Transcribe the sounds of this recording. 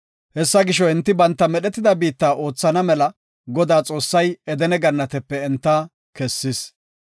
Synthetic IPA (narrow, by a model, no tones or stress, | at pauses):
hɛsːɐɡɪʃɔɪnt̪ːɪbɐnt̪ːɐmɛɗɛt̪ːɪd̪ɐbiːt̪ːaːʔo̞ːt͡sːɐnɐmɛlɐ | ɡɔd̪aːt͡sʼo̞ːsːɐjɛd̪ɛnɛɡɐnːɐt̪ɛpːɛɛnt̪ːɐ | kɛsːɪs